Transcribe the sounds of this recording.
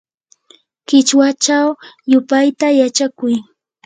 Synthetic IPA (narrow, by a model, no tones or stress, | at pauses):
kɪt͡ʃwat͡ʃawjʊpajt̪ajat͡ʃakʊj